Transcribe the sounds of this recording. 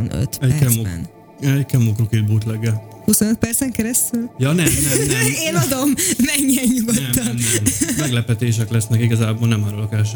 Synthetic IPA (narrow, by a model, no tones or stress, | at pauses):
nø̰t̪ɛkɛoɛ̰n | ɛɟkɛmokrokid̪̚buːt̪lɛɡɛlhusonøt̪̚pɛrt̪sɛŋkɛɾɛst̪yljɒnɛmnɛmnɛmeːnɒd̪o̞mːɛɲːiɛɲɲuɡot̪ɛmːɒmmnɛmmɛɡlɛpɛt̪eːʃ̬ɛklɛsnɛkiɡɒzaːboːlnɛmaɾolɒkaːʃ̬